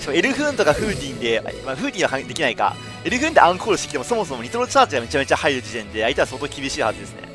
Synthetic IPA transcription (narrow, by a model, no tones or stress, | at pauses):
t̪oe̞ɾɯ̟ɸɯ̟̃nt̪o̞kaɸɯ̟ːt̪ʲĩnd̪e̞̰maɸɯ̟ːt̪ʲĩɰ̃akad̪e̞kʲinaika̰ | e̞ɾɯ̟ɸɯ̟̃nd̪e̞ʔãŋkʰoːɾɯɕt̪e̥ki̥t̪emoso̞mo̞so̞mo̞ɲʲit̪oɾot͡ɕaːt͡ɕiɡame̞t͡ɕame̞t͡ɕahaiɾɯ̟d͡ʑit̪ẽ̞nd̪e̞ait̪easo̞ːt̪o̞ːkʲibʲiɕiːhazɨd̪e̞sɨne̞̰